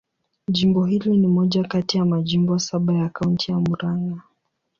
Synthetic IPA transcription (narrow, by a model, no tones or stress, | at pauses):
ʄimbɔɦilinimɔʄakatijamaʄimbɔasaɓajakauntʰijamuɾaŋɡa